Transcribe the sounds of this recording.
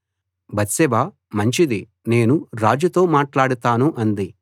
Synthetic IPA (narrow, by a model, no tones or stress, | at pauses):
bɐt̪sɛbaː | mɐɲt͡ʃid̪i | ne̞ːnuɾaːd͡ʒut̪o̞ːmaːʈlaːɽut̪aːnuʔɐnd̪i